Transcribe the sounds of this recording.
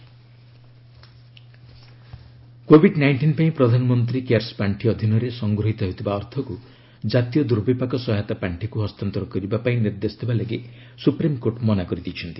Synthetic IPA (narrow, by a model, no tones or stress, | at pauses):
kobʱiɖnajɳʈinpaĩpɾɔd̪ʱanɔmɔnt̪̬ɾikeaɾsɔ̥paɳʈʰiɔd̪ʱinɔɾesɔŋɡɾɔɦit̪ɔɦet̪ʰibaɔɾt̪ʰɔku | d͡ʒat̪ijɔd̪uɾbipakɔsɔɦat̪apaɳʈʰikuɦɔst̪ant̪ɔɾɔkɔɾibapaĩniɾd̪esɔt̪ʰibalaɡi | supɾimkoʈmɔnakɔɾit̪it͡ʃʰɔnt̪i̥